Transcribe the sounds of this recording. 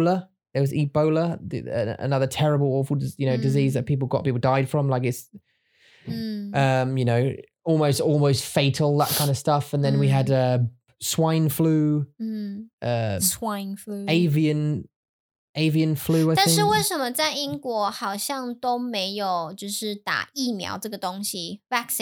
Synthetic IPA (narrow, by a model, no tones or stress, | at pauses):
lə | ðəwɒziːbəʊləð̰ə̰ə̰nʌðətʰɛɹəbəlˠɔːˑfəl̩ˠdjɨnoʊdɪziːzðəʔ̚pʰiˑp̬l̩ˠɡɒ̰ʔ̚pʰiˑpl̩ˠdaɪd̥fɹə̃mlaɪkɪts | ʌ̃mjɨnoʊ | ɔlˠməʊstɔːlˠməʊstfeɪtʰˡəl̩ˠðəʔ̚kʰãɪ̃ndə̥stʌfə̃nðə̃nwiədʌ | swãɪ̃nflʉː | ʔʌswãɪ̃nflʉeɪviə̃n | ʔeɪviə̃nflʉːaɪt̪nʃɻ̩weɪʂənmət͡saɪĩŋkwɔhɑʊɕjɑŋt̪oʊmeɪjoʊt͡ɕjoʊʂɻ̩t̪a̰imjɑ̰ʊʈ͡ʂəɡət̪ʊŋɕivaks